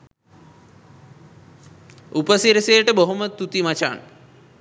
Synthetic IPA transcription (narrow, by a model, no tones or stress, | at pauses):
upəsiɾəsejəʈəboɦomət̪ut̪imat͡ʃa̰n